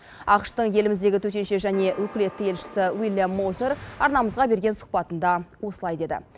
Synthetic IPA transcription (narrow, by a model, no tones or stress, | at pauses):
ɑqəʃt̪əɴje̞lɪmɪzd̪e̞ɡʲɪt̪ʰɵt̪e̞nʃe̞ʒæne̞wʔɵkʲɪle̞t̪ːɪe̞lʃɪ̥sɪwilʲˠjamːoseɾɑɾnɑməzʁɑbe̞ɾɡʲe̞nsʊ̥q̚pɑt̪ənd̪ɑwo̞səlˠɑjd̪e̞d̪ɪ̰